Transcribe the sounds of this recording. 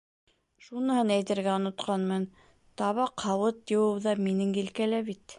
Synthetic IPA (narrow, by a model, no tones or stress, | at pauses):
ʃunɤ̆hɤnæjt̪ɘ̆ɾɡæŏnŏt̪qɑnmɤn | t̪ɑβɑqhɑwɤt̪jɤ̆wɤwðɑminɘŋɡɘ̆lkælæβit̪